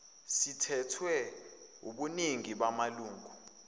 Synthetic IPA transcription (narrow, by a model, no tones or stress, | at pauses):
sitʰɛtʰwɛuɓuniŋiɓamaluːŋɡʱu